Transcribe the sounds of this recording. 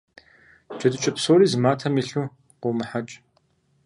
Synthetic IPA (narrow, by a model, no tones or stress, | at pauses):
d͡ʒʼɐdɨt͡ʃʼɐpsoːɾiːzmaːtʰɐmiːɬuː | qʷʊmɨħat͡ʃʼ